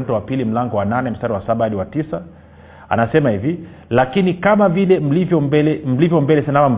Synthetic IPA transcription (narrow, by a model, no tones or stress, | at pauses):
n̩tuwapilim̩laŋɡɔwananɛm̩staɾiwasaɓaaɗiwatisa | a̰nasɛmahivi | lakinikamavilɛm̩livjɔmbɛlɛm̩livjɔmbɛlɛsanawam̩